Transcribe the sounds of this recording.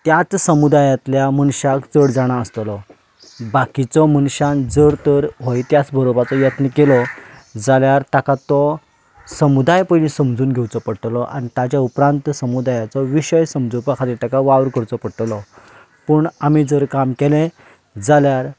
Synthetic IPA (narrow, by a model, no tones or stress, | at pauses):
t̪jat͡ssəmud̪ajat̪ljamənɕakt͡səɽd͡zaɽ̃aəst̪lɔ | bakit͡sɔmənɕãnd͡zəɾt̪əɾɦojt̪jat͡sbəɾobat͡sɔjət̪nəkelɔ | d͡zaljaɾt̪akat̪ɔ | səmud̪ajpənĩsəmd͡zuːnɡʱewt͡sɔpəɽʈ̪lɔʔa̰nit̪at͡ɕjaupɾãnt̪səmud̪ajat͡sɔʋiɕəjsəmd͡zupakʰat̪iɾt̪akaʋaʋɾkəɾt͡sɔpəɽʈlɔ | pəɳamid͡zəɾkamkɛlɛ̃ | d͡zaljaɾ